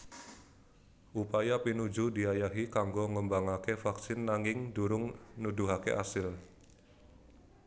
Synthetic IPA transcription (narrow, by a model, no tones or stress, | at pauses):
ʔupajapinud͡ʒudiajaɦikaŋɡɔŋəmbaŋakefaksɪnːaŋɪŋduɾʊŋnuduɦakḛʔasɪl